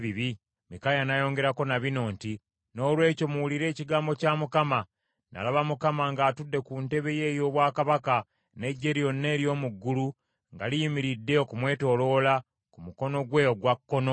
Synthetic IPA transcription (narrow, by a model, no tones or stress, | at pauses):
βiβi | mikajanajo̞ːŋɡe̞ɾako̞naβino̞ːnti | no̞ːlwe̞ːco̞muwuliɾe̞ːciɡaːmbo̞camukama | na̰laβamukamaŋɡaːtudːe̞kunte̞βe̞je̞ːjo̞ːβwaːkaβaka | ne̞ɟːe̞ɾio̞nːe̞ːɾjo̞ːmuɡːulu | ŋɡalijimiɾidːe̞okumwe̞ːto̞lo̞ːla | kumuko̞no̞ɡwe̞oɡwakːo̞no